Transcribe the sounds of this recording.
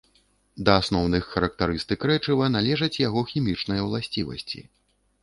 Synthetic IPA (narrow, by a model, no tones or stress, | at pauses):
d̪ɐːsnɔwnɨxːɐɾɐk̚t̪aɾɨst̪ɨkɾɛt͡ʂɨvɐn̪alʲɛʐɐt͡sʲjaɣɔxʲimʲit͡ʂnɐjɐwlˠasʲt͡sʲivɐ̰sʲt͡sʲḭ